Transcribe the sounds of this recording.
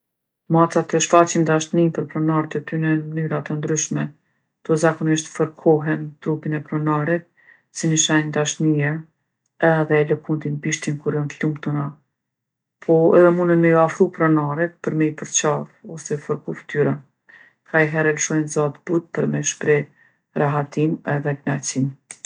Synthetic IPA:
mat͡sat̪əʃfat͡ɕimd̪aʃnimpəɾpɾɔnaɾt̪ət̪ynɛnmənyɾat̪ənd̪ɾyʃmɛ | t̪ɔzakɔniʃt̪fəɾkʰɔɦɛnt̪ɾupinɛpɾɔnaɾɛt̪̚ | sinəʃajnd̪aʃniɛɾ | ɛðɛləkunt̪inpiʃt̪inkuɾjɔnt̪lumt̪una | pʰɔɛ̰ðɛmund̪ənmɛjɔafɾupɾɔnaɾɛt̪̚pəɾmɛipəɾt͡ɕaɾɔsɛfəɾkuft̪yɾɛ | kʰajɦɛɾɛləʃɔjnzat̪but̪̚pəɾmɛʃpɾɛ | ɾaɦat̪imɛðɛpnat͡sim

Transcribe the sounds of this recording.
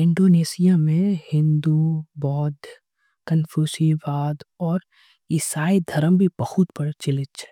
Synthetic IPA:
ɪ̃ɳɖoːneːsijamẽhɪ̃nd̪ubɔːd̪ | kənfʰjuːsiʋaːd̪ɔːɾ | ɪsaːid̪ʱɐɾəmbʱibəhut̪pəɽt͡ʃɪlɪt͡ʃʰː

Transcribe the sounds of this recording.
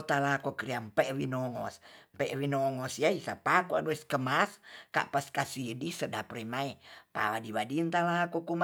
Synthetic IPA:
t̪alakokɾiampɛwinɔŋɔ̰spɛʔwinɔŋɔsjaisapakuaduɛskəmaska̰ʔpaskasidisədapɾimaipa̰wadiwadint̪alakɔkum

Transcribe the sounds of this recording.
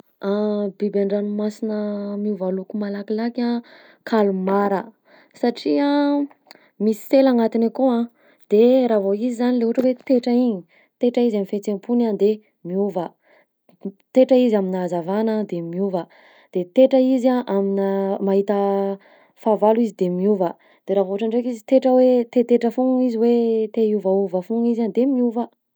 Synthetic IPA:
abibaɳɖ͡ʐanumasinəmiuvalukumalakilakã | kʰalumaɾə | saʈ͡ʂia | misi̥t̪elaŋat̪inakoã | d̪̥eɾavoizizanileɦuʈ͡ʂəwet̪eʈ͡ʂaiɲi | t̪eʈ͡ʂəizamifet͡sempunand̪e | miuvə | t̪eʈ͡ʂəizaminazavanəd̪emiuvə | d̪̥et̪eʈ͡ʂəizaʔaminamaɦit̪ə | favaluizid̪emiuvə | d̪̥eɾavouʈ͡ʂaɳɖ͡ʐekizit̪eʈ͡ʂəwet̪et̪eʈ͡ʂəfuŋiziwet̪euvauvəfuŋizand̪emiuvə

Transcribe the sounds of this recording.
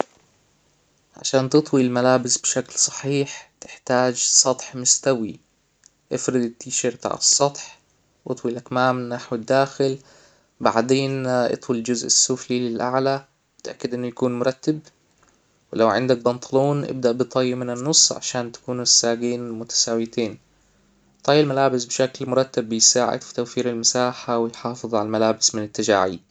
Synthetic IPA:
ʕa̰ʃaːnt̪ɨt̪ˤwilmalaːbɪsbʃaklsˤɑ̥ħiːħt̪ɪ̥ħt̪aːd͡ʒsˤɑt̪ˤħmʊst̪awi | ʔɪfɾɪd̪ɪt̪ːiːʃɑɾt̪a̰ːʕsˤːɑt̪ˤħ | ʔɨ̰t̪ˤwilʔakmaːmnaħwɪd̪ːaːxɪl | ba̰ʕd̪eːnʔɨ̰t̪ˤwild͡ʒʊzʔɪsːʊflilɪlʔa̰ʕla | bɪt̪ʔakːɪd̪ʔɪnːʊjakuːnmʊɾˤɑt̪ːab | wɪlawʕɪ̰nd̪ak̚bɑnt̪ˤʰɑluːnʔɪ̰b̚d̪aʔbɨt̪ˤɑːjːɪmɪnɪnːʊsˤːʕa̰ʃaːnt̪ḁkuːnʊsːaːɡeːnmʊt̪ḁsaːwɪt̪eːn | t̪ˤɑːjːalmalaːbɪsbɪʃaklmʊɾˤɑt̪ːabːɪjsaːʕɪ̰d̪fi̥t̪awfiːɾɪlmasaːħawɪjħɑːfɨðˤʕalalmalaːbɪsmɪnɪt̪ːad͡ʒa̰ːʕḭ

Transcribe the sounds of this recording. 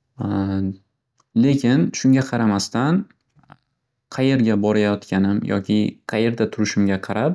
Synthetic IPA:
le̞kʲɪnʃʊŋɡʲaqʰɑɾamast̪an | qʰɑje̞ɾɡʲabɒɾajɒt̪kʲʰanɪmjʔɒ̰kʲʰɪqʰɑje̞ɾd̪at̪ʰʊɾɪʃɪmɡʲaqʰɑɾʔap̚

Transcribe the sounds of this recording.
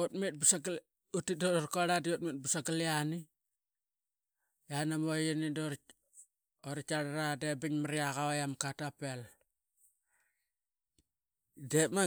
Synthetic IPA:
otmit̚busaɡl | utidoɾkoaɾadiot̚mit̚busaɡaliani | janamojinidoɾ | oɾit͡ʃaɾaɾadebiɲmaɾiaɣawajamkatapel | dema

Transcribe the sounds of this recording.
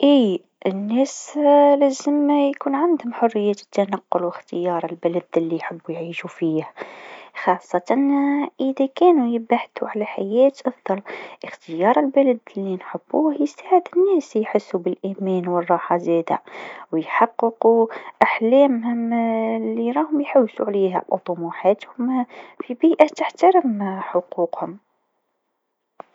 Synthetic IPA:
ʔiː | ənːæːslæːzəmːæjkuːnʕand̪hʊmħʊrːɪjːæt̪ːanɑqːʊlwɪxt̪əjɑːɾˤəlbælæd̪lːijħəbːujʕiːʃufiːhxɑːsˤːɑt̪ɑnʔəðækæːnujɪbaħt̪uʕalæħajɛːt̪ʔɑfd̪ˤɑlʔəxt̪əjɑːɾˤəlbalad̪lːinħəb̥ːuːhjst̪aːʕɪd̪ɪnːæːsjħɪsːubɪlʔiːmæːnwərˤːɑːħɑzeːd̪a̰wjħɑqːɨquʔaħlæːmhʊmlːiɾˤɑːhʊmjħawsuʕleːɦæ̰wt̪ˤʊmuːħaːt̪hʊmfibiːʔat̪aħt̪aɾɪmħʊquːqhʊm

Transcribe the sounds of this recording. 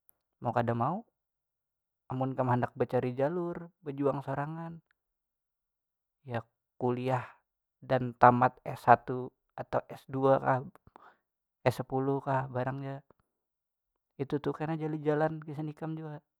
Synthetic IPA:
maukadamau | amʊnkamhandak̚bət͡ʃaɾid͡ʒalʊrbəd͡ʒuaŋsoɾaŋan | ja | kuliah | dant̪amat̪̚ɛsːat̪u | at̪auʔɛsduakah | ɛsəpulukahbaɾaŋd͡ʒa | it̪ut̪ʊkanad͡ʒalid͡ʒalankisənikamd͡ʒuɡaʔ

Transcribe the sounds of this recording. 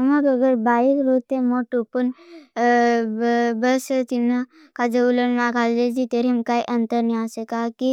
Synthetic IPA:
əmaɡəɡəɾbaikɾot̪emoʈupən | bəst̪inːa | kad͡ʒeulənmakald͡ʒed͡ʒit̪eɾimkaiʔənt̪əɾniasekaki

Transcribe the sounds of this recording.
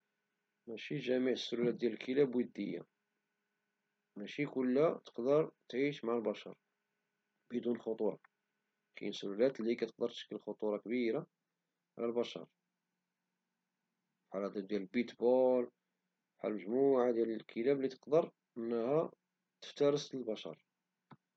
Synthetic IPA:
mæʃiʒæmiʕəsːʊlulæt̪̚d̪jæləlkʰəlæbwəd̪ːəjːa̰ | mæʃikʊlːæt̪ə̥qd̪əɾˤt̪ʕiʃmaʕlbæʃɑ̰ɾˤ | bəd̪unlxot̪ˤuɾˤɑ̰ | kḭnsːʊlulæt̪likæt̪ə̥q̚d̪əɾt̪ʃə̥kːəlxot̪ˤuɾˤɑkbiɾa | ʕlælbæʃɑ̰ɾˤ | fħalæd̪æd̪jæləlbit̪bol | fħa̰lməʒmuʕad̪jæləlkʰəlæblit̪ə̥qd̪əɾˤ | ʔənːəhæ | t̪ə̥ft̪æɾəsəlbæʃɑ̰ɾˤ

